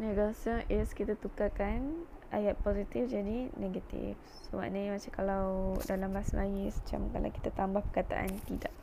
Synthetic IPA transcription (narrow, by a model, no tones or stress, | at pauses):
neɡasəʔɪskit̪at̪ukakanʔa̰jat̪̚pozit̪ifd͡ʒadineɡat̪ḭf | səoma̰ʔnamat͡ʃamkalawdalambaasalaɡisə̥t͡ʃa̰mka̰la̰wki̥t̪at̪ambahpəkat̪a̰ʔa̰nt̪idaʔ